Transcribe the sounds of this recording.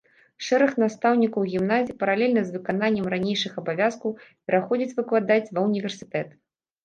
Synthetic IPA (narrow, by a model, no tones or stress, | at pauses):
ʂɛɾɐxnast̪awnʲikɐwɣʲimnazʲipɐɾalʲɛlʲnɐzvɨkananʲːɛmranʲejʂɨxɐbavʲaskɐwpʲɛɾaxɔd͡zʲit͡sʲvɨklˠad̪at͡sʲvɐwnʲivʲɛrsɨ̥t̪ɛt̪